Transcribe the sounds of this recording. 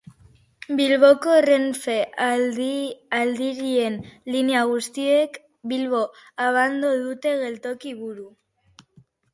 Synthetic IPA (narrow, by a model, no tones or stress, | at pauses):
bilβokore̞ɱfea | ald̪iɾie̞nliniaɣ̞ust̪iek | bilβo̞aβ̞and̪oðut̪e̞ɣe̞lt̪o̞kiβuɾu